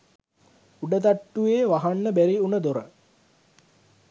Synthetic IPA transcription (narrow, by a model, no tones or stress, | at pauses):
uɖəd̪aʈːuʋeːʋaɦanːəbæɾiunəd̪oɾə